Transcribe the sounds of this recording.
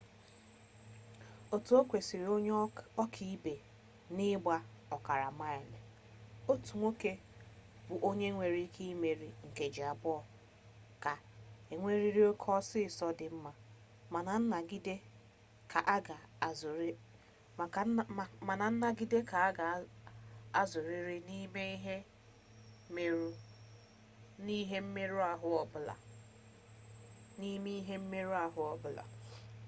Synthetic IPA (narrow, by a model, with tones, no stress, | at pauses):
o˦tu˨˦o˦kʷe˨si˨ɾi˨o˦ɲɔ˦kʰi˦i˦be˨ | nɪ˦ɡ͡ba˦ɔ˨ka˨ɾa˨ma˦e˨le˨ | o˦tu˨ŋʷo˦ke˦ | bʊ˨ʔo˦ɲe˦ŋʷe˨ɾi˦kʰi˦me˨ɾi˨ŋ̩˨ke˨d͡ʒi˨a˨bʊ˦ɔ˨ | ka˨ | e˨ŋʷe˦ɾi˦ɾi˦o˦kʰɔ˦sɪ˦˨sɔ˦dɪ˨m̩˦ma˦ | a˨na˨˦na˨i˦d | kʰa˨ʔa˦ɡa˨˦˨ | ma˨na˨n̩˦na˦ɡi˦de˦ka˨a˦ɡa˨˦ | a˦zʊ˨ɾi˦ɾi˦ni˦me˦ɦe˦ | me˦ɾu˦ | ni˦ɦe˦m̩˦me˦ɾu˦a˨ɦʊ˦ɔ˨bla̰˨ | ni˦me˦i˦ɦe˦m̩˦me˦ɾu˦a˨ɦʊ˦ɔ˦bla̰˨